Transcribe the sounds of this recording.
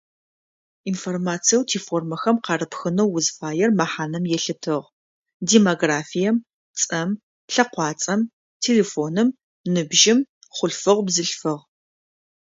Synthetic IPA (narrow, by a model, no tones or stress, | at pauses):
informaːt͡sʰijɛwtʰiːfoːrmɐxɐmqɑrɨpxɨnɐwːʊzfaːjɛrmaħaːnɐmjɛɬɨtʰɨʁ | deːmoɡraːfijɛm | t͡sʼɐm | ɬɐqʷɑːt͡sʼɐm | tʰeːleːfoːnɨm | nɨbʒɪm | χʷʊɬfɨʁʷbzɨɬfɨʁ